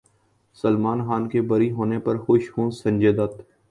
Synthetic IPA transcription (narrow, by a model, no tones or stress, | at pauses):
səlmaːnxaːnkebəɾiɦoːnepɐɾxʊʃhũsə̃ɲʲd͡ʒeːd̪ət̪